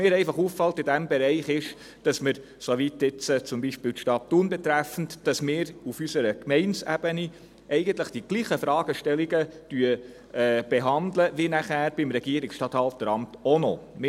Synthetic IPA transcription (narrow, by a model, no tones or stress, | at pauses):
mɪːɾɛɪfɑχuːffɑltɪdæmbɛɾɛɪχɪʃ | d̥ɑsməɾ | soʋitɪt͡sət͡sʊmbiʃpiːltʃtɑːt̚tuːnbɛt̪ɾæfn̩td̥ɑsmɪːɾufysəɾəkmɛɪnsæ̰b̥əni | ʔɛɪɡənt̪ləχd̥iɡ̥liːχəfɾɑːɡ̥əʃtɛliɡətyə | ɛːb̥eɦɑnd̪ləʋinæχæːɾb̥ɪmɾɛɡiəɾiksʃtɑːthɑlfd̥əɾɑmtonomɪ